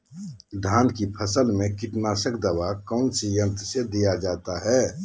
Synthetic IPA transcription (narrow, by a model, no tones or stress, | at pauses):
d̪ʱaːnkipʰəsəlmẽkɪʈnaːsəkd̪əʋakɔːnsijə̃t̪sed̪ijad͡ʒaːt̪aɦɛː